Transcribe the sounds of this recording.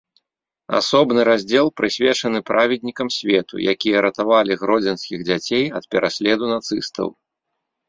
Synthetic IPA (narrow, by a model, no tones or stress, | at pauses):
a̰sɔbnɨɾazʲd͡zʲɛlˠpɾɨsʲvʲɛt͡ʂɐnɨpɾʔavʲɛd̪ʲnʲikɐmsʲvʲɛt̪ṵjakʲijɛɾɐt̪avalʲiɣɾɔd͡zʲɛnskʲiɣd͡zʲat͡sʲejɐt̪̚pʲɛɾʔasʲlʲɛd̪unat̪sɨst̪ʰɐ̰w